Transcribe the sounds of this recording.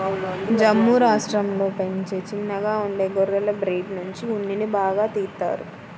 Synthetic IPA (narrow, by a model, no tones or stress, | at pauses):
d͡ʒɐmːuɾaːʂʈɾɐmlo̞ːpeɲt͡ʃeːt͡ʃinːɐɡaːuɳɖeːɡɔɾːɐlɐbɾeːɖnuɲt͡ʃiunːinibaːɡaːt̪iːɾt̪ːa̰ːɾu